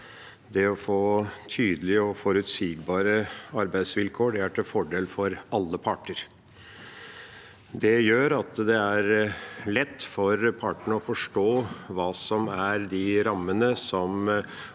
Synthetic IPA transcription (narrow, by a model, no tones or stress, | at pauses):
d̪ɛɔfoːt̪ʰyːd̪əlɪəɔfɔɾʉt̪siːɡbɑːɾəɑɾbæɪd̪sʋɪlkʰoːɖɛæʈʰɛfɔɖeːlfɔɾɑlːəpʰɑʈəɾ | d̪ɛjøːɾɑt̪d̪ɛæɾlɛt̪ːfɔɾpʰɑʈəɳəɔfɔʂʈoːʋɑːsɔmæɾd̪ɪɾɑmːənəsɔm